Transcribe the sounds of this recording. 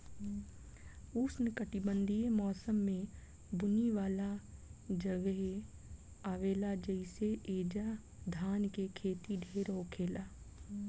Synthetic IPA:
ʊsnɪkəʈibə̃nd̪ʱijemɔːsəmːẽ | bʊniʋaːlad͡ʒəɡəɦe | aːʋeːlad͡ʒəɪseʔeːd͡ʒa | d̪ʱaːnkekʰeːt̪iɖʱeːɾoːkʰeːlaː

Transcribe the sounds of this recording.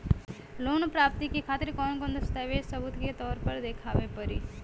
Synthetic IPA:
loːnpɾaːp̚t̪ikekʰaːt̪ɪɾkɔːnkɔ̃nd̪əst̪aːʋesəbʊt̪ket̪ɔːɾpɐɾd̪eːkʰaːʋepəɾiː

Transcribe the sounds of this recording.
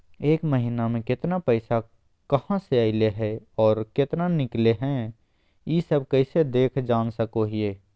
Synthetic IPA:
eːkməɦɪnamẽkɪt̪napəɪsa | kɐhãseaːɪleɦɛɔːɾkɪt̪nanɪkleɦɛ̃ | jisəb̚ʱkəɪsed̪eːkʰd͡ʒaːnsəkoɦieː

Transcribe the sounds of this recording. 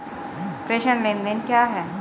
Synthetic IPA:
pɾeːʃəɳlẽːnd̪ẽnkjaːɦɛː

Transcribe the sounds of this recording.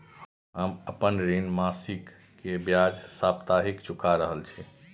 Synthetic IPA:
ɦəməpənɾinmasikː | ebjad͡ʒsapt̪aɦikt͡ʃukʰaɾəɦəlt͡ʃʰi

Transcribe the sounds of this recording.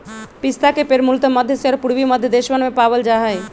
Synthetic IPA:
pist̪akepeɾmult̪əməd̪ʱjəseɔːɾpuɾʋiməd̪ʱjəd̪eʃmənmepabəld͡ʒaɦəj

